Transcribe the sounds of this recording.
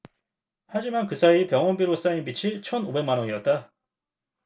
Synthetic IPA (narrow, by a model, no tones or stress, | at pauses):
had͡ʑimankɯsʰaipjʌŋʌnbiɾos͈ainbit͡ɕʰit͡ɕʰʌnobe̞ŋmanʌŋiʌt̚t͈a